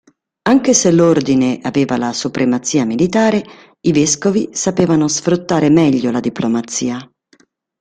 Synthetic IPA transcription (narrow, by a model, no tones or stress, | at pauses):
aŋk̟eselord̪ineʔaveːvalasupɾemat̪siːamilit̪aːɾe | ivɛskovisapeːvanosfɾut̪ːaːɾemɛʎːolad̪iplomat̪sːiːa